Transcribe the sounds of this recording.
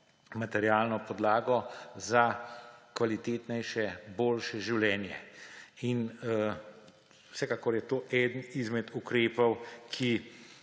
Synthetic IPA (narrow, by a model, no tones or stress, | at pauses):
mat̪ɛɾjaːlnɔpɔd̪laːɡɔzakʋalit̪eːt̪nɛjʃɛboːlʃɛʒiwlɛːnjɛ̰in | wsɛkaːkɔɾjɛt̪oːʔɛːd̪ənizmɛd̪ukɾeːpɔwkʰi